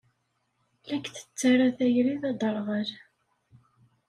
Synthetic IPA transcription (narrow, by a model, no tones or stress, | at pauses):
lækːθə̥t͡sːaɾaθæjɾiðɑd̪ˤəɾˤʁəl